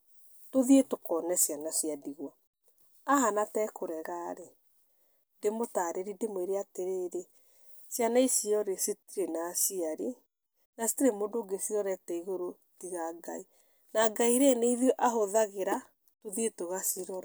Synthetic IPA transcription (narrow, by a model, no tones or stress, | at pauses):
toðietokɔnɛsjanasiadiɣwɔ | aɦanatɛkoɾɛɣaɾe | ndemotaɾeɾindemweɾeateɾeɾe | sjanaisiɔɾesetiɾenasiaɾe | nasi̥tiɾemondoːɡesiɔɾɛtɛiɣoɾo | tiɣaɡai | naɡaiɾeneiðjɔʔaɦoðaɣeɾa | toðietoɣasiɾɔɾa